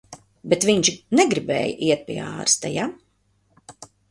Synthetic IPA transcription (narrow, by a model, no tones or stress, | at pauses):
bɛt̪viɲt͡ʃnɛɡɾibɛ̰ːjəʔiɛt̪̚piɛa̰ːɾst̪a̰ja